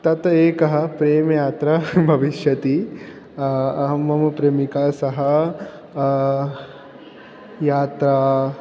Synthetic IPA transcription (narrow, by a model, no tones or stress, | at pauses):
t̪ɐt̪eːkɐɦɐ̆pɾeːmɐjaːt̪ɾɐbʱɐʋiʃjɐt̪i | ɐɦɐmːɐmɐpɾeːmikaːsɐɦɐ | jaːt̪ɾaː